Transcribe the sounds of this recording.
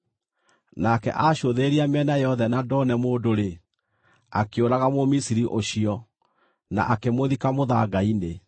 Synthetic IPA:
nakɛ̰ʔaɕoðeɾiamɛnajɔðɛnadɔnɛmoːdoɾe | a̰keoɾaɣamomisiɾiʔoɕiɔ | na̰ʔakemoðikamoðaɡaine

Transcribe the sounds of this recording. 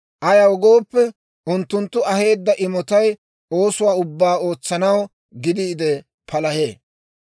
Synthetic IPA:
ʔɐjɐwɡo̞ːpːɛ | ʔʊnt̪ːʊnt̪ːʊɐɦe̞ːd̪ːɐʔɪmɔt̪ɐj | o̞ːsʊwaːʊbːaːo̞ːt͡sːɐnɐw | ɡɪd̪iːd̪ɛ | pʰɐlɐhḛː

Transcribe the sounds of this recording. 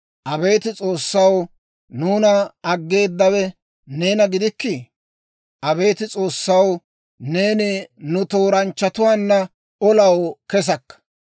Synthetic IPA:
ʔɐbe̞ːt̪ɪt͡sʼo̞ːsːɐw | nuːnɐːɡːe̞ːd̪ːɐwɛ | ne̞ːnɐɡɪd̪ɪkːɪ | ʔɐbe̞ːt̪ɪt͡sʼo̞ːsːɐw | ne̞ːnɪnʊt̪o̞ːɾɐnt͡ʃːɐt̪ʊwaːnːɐ | ɔlɐwkɛs̬ɐkːɐ̥

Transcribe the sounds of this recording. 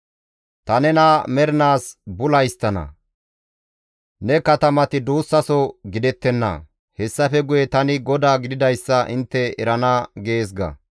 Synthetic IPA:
t̪ɐnɛnamɛɾɪnaːsbʊlɐjst̪ːɐnɐ̰ | nɛkɐt̪ɐmɐt̪ɪd̪uːsːɐsɔɡɪd̪ɛt̪ːɛnːɐ̰ | hɛsːɐfɛɡʊjɛt̪ɐnɪɡɔd̪aːɡɪd̪ɪd̪ɐjsːɐʔɪnt̪ːɛɛɾɐnɐɡeːs̬ɡɐ̰

